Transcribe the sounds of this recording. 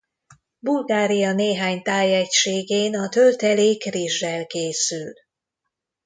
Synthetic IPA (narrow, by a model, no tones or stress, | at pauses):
bulɡaːɾijɒneːɦaːɲt̪aːjɛcʃeːɡeːnɒt̪ølt̪ɛleːkriʒːɛlkeːsyl